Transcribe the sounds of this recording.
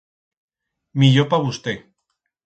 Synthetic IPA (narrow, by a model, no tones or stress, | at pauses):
miʎopaβust̪e